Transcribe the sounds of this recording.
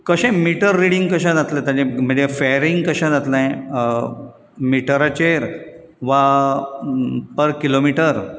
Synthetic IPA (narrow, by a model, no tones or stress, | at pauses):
kəɕẽmiʈəɾːiɽiŋɡkəɕãd͡zat̪let̪ãd͡ʑem̤əɳd͡zefeɾiŋɡkəɕãnat̪lãj̃ | miʈəɾat͡ɕeɾ | ʋa | pəɾkilomiʈəɾ